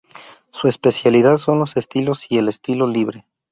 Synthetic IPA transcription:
sue̞spe̞sjaliðaðso̞nlo̞se̞st̪ilo̞sie̞le̞st̪ilo̞liβɾe̞

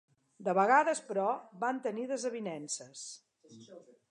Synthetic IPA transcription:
d̪əβəɣaðəspɾɔβant̪əniðəzəβinɛnsəs

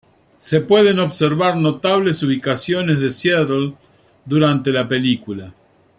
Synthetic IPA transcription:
sepweðeno̞βseɾβaɾno̞t̪aβlesuβ̞ikasjo̞nezðeseðl | d̪uɾant̪e̞lape̞likula

